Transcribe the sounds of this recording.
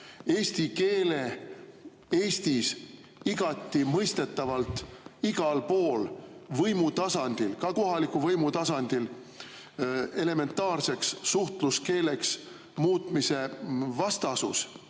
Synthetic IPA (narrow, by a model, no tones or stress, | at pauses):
e̞ːsʲt̪ike̞ːle̞ | eːst̪is | iɡ̥ɑt̪ˑːimɤjst̪e̞t̪ːˑɑvɑlt̪iɡ̥ɑlpo̞ːlvɤjmut̪ɑsɑnd̪̥ilkɑko̞ɦɑlikuvɤjmut̪ɑsɑnd̪̥il | e̞le̞me̞nt̪ːˑɑːrse̞ksːuht̪luske̞ːle̞ks | muːt̪ˑmise̞vɑst̪ɑsṵs